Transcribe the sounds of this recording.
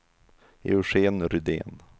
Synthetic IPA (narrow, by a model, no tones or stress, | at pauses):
ḛʊʂeːnɾʏd̪ḛːn